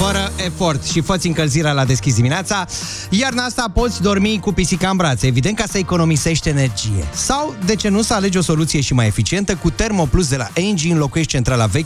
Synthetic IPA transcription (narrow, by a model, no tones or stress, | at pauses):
fəɾəe̞fo̞rt̪ʃifət̪sʲɨŋkəlziɾealad̪e̞skʲis̬d̪imineat̪sa | jarnast̪apo̞t̪sʲd̪o̞rmikupisikambɾat̪səevid̪e̞nt̪̚kasəeko̞no̞mise̞ʃt̪e̞ne̞rd͡ʒije̞̰sawd̪e̞t͡ʃe̞nusəale̞d͡ʒo̞so̞lut̪sije̞ʃimaje̞fit͡ʃie̞nt̪əkut̪e̞rmo̞plus̬d̪e̞la̰ʔend͡ʒiɨnlo̞kuje̞ʃt̪̚t͡ʃe̞nt̪ɾala̰vekʲ